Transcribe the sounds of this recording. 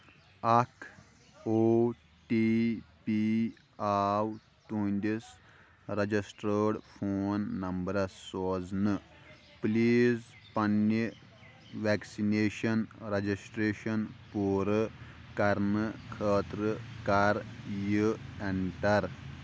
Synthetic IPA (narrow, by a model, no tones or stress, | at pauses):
ɐkʰ | o | ʈipi | aːw | t̪uːnʲd̪is | ɾɐd͡ʒisʈɾəːɽfʰoːnːɐmbɐɾɐsoːd͡znɨ | pliːz | pɐnːi | ʋeːksineːʃɐnɾɐd͡ʑisʈɾeːʃɐnpuːɾəkɐɾnɨkʰəːt̪ɾəkɐɾjəeɳʈɐɾ